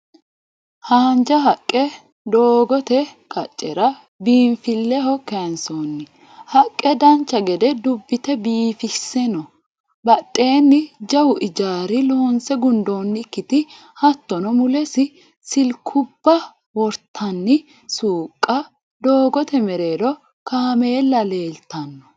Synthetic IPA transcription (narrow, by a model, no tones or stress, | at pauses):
haːnd͡ʒɐɦɐkʼːɛ | d̪oːɡɔt̪ɛkʼɐt͡ʃʼːɛ̰ɾɐ | biːnfɪlːɛɦɔkːɛnsoːnːɪ | hɐkʼːɛd̪ɐnt͡ʃːɐɡɛd̪ɛd̪ʊbːɪt̪ɛbiːfɪsːɛnɔ | bɐt̪ʼːe̞ːnːɪd͡ʒɐwʊʔɪd͡ʒaːɾɪloːnsɛɡʊnd̪o̞ːnːɪkːɪt̪ɪ | hɐt̪ːɔnɔmʊlɛsɪ | sɪlkʰʊbːɐ | wɔɾt̪ʰɐnːɪ | suːkʼːɐ | d̪o̞ːɡɔt̪ɛmɛɾe̞ːd̪ɔ | kaːme̞ːlːɐle̞ːlt̪ɐnːɔ̥